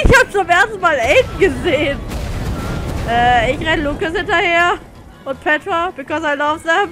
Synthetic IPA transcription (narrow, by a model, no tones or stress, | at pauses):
ɪçhaːbət͡sʊmʔeːɐstn̩maːlɛɪtɡ̥əzeːn | ʔɛːɪçʁɛnəlukashɪntɐheːɐ | ʔʊnt̚pʰɛtʁab̥ɪkʰɔsaɪlaʊfzam